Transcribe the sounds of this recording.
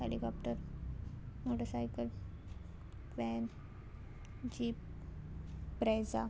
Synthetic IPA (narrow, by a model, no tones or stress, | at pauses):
ḛlikɔpʈəɾ | moʈəɾsajkəl | ʋɛn | d͡ʑiːp̚ | pɾajd͡za